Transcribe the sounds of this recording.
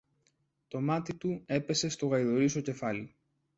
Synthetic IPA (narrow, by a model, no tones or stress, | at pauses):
t̪o̞mɐt̪it̪ue̞pe̞se̞st̪o̞ɣɐiðo̞ɾiso̞ce̞fɐli